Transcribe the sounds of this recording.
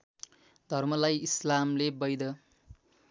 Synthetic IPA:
d̪ʱʌrmʌlajislamlebʌjd̪ʌ

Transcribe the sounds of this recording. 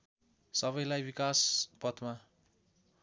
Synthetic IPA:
sʌβʌjlajbikaspʌt̪ma

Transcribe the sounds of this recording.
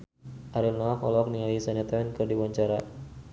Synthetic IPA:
ʔaɾilnaakɔ̰lɔk̚niŋajisɛnɛt̪awɛnkɨrdiwaɲt͡ʃaɾa

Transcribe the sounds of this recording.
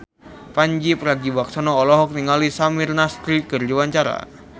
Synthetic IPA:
paɲd͡ʒipɾaɡibak̚sanɔːlɔɦɔk̚niŋalisamirnast̪ɾikɨrd͡ʒuwaɲt͡ʃaɾa̰

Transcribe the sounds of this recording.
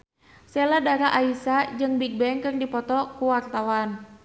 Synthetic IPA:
sɛladaɾaʔaisad͡ʒɨŋbik̚bɛŋkɨrdipɔt̪ɔkuwart̪awan

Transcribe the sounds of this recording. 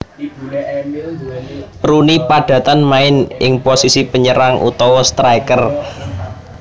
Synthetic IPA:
ɾunipaɖ̥ä̤t̪anmaɪnɪŋposisipəɲəɾaŋʔṵt̪ɔwɔst̪ɾaikər

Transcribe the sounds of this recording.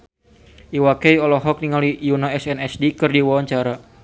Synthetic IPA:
ʔiwakɛjɔlɔɦɔk̚niŋalijunaɛsɛnɛsdikɨrdiwawaɲt͡ʃaɾa

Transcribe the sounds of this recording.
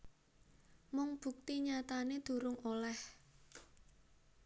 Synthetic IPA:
mʊŋb̥ṳk̚t̪iɲat̪aned̪̥ṳɾʊŋolɛh

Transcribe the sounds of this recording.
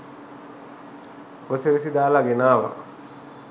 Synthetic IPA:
woseʋesid̪aːlaɡenaːʋa̰

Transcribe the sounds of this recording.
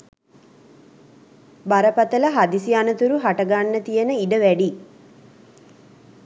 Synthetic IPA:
baɾɐpɐt̪ɐlɐɦad̪isianɐt̪uɾuɦaʈɐɡanːət̪ijənəiɖəʋæɖi

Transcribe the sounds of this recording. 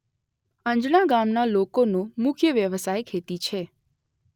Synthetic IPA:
ə̃ɲd͡ʒnaɡamnalokonũmʊkʰjəʋjəʋsajkʰet̪it͡ʃʰe

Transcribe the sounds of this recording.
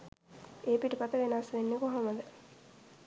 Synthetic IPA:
eːpiʈəpat̪əʋenaːslenːekoɦaməd̪ə

